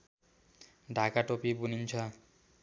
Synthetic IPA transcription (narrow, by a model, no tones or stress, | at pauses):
ɖʱakaʈopibunint͡ʃʰɔ